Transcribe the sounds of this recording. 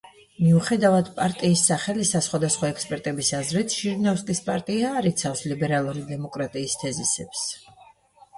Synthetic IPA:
miuχɛd̪avad̪pʼaɾt̪ʼiːsːaχɛlisasχwad̪asχwaɛkspʼɛɾt̪ʼɛbisazɾɛt̪ʰʃiɾnafskʼispʼaɾt̪ʼiaːɾit̪sʰafslibɛɾalˠuɾid̪ɛmɔkʼɾat̪ʼiːst̪ʰɛzisɛps

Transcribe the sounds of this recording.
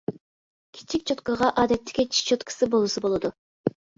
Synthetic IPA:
kʲʰi̥t͡ʃʰik̚ʲt͡ʃʰot̪kəʁɑʔɑːd̪ɛt̪ʰːɪ̥kʲet͡ʃʰi̥ʃt͡ʃʰot̪kʰə̥sɨbolˠusɨbolˠɨd̪u

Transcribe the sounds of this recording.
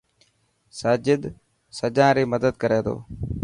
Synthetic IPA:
saːd͡ʒɪd̪ | səd͡ʒãːɾeːməd̪əd̪kəɾeːt̪ʰo̰ː

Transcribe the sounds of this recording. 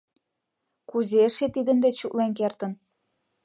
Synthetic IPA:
kuzeʃet̪id̪ə̆nd̪et͡ɕuklenk̬ert̪ə̆n

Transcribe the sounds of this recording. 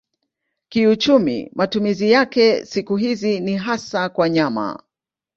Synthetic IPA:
kiut͡ʃumḭmatumizijakɛsikuɦiziniɦasakwaɲama̰

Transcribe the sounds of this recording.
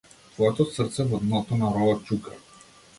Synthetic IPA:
t̪vɔjat̪osrt̪sɛvɔd̪nɔt̪onaɾɔlat͡ʃuka̰

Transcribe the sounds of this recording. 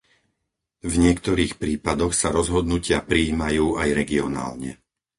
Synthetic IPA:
vɲɪɛkt̪ɔɾiːxpɾiːpad̪ɔxsaɾɔzɦɔd̪nucɪapɾiːmajuːajɾɛɡiɔna̰ːlɲɛ̰

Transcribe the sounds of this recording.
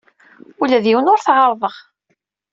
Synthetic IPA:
ulæðiwənʊɾθʁɑɾˤðˤəʁ

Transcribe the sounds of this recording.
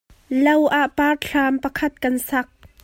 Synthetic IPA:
lɐwʔaʔpaːrɬʰaːmpɐkʰɐt̪̚kɐnsɐk̚

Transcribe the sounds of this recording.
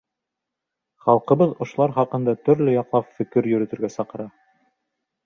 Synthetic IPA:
χɑlˠqɤ̆βɤðŏʃŏlˠɑɾχɑqɤ̆nd̪ɑt̪ɵ̆ɾlɵjɑqlˠɑpfɘ̆kɘɾjɵ̆ɾɘ̆t̪ɘ̆ɾɡæsɑqɤ̆ɾɑ

